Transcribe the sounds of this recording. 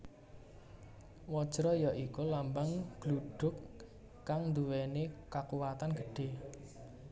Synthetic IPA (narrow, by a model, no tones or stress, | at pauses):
wɔd̥ʒ̥ɾɔjɔʔikulambaŋɡ̥luɖ̥ʊ̤kː | aŋnd̪uwɛnekakuwat̪anɡəɖ̥e̤